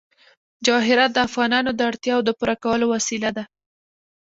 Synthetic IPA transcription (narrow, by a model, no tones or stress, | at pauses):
d͡ʒɑɦɪɾat̪̚d̪əafɣɑnɑnod̪əaɽt̪jɑwod̪əpuɾakawəlowasilad̪a